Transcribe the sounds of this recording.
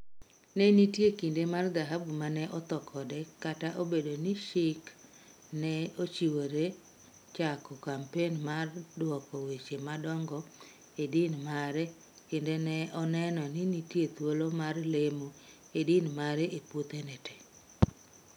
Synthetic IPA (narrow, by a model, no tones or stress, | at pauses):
nɛnitjekindemard̪aɦabumanɛʔɔt̪ɔkʰɔdɛkataʔobedoniʃɪk | nɛot͡ʃiwoɾe | t͡ʃakɔkampenmardwɔkɔwet͡ʃemadɔŋɡɔ | edinmaɾɛ | kendenɛʔɔnɛnɔninitjet̪wolomarlemo | edinmaɾɛʔepot̪enɛtɛ̥